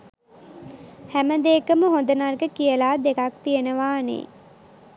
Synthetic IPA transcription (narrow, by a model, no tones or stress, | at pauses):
hæməd̪eːkəməɦond̪ənarɡəkijəlaːd̪ekak̚t̪ijənəʋaːnḛː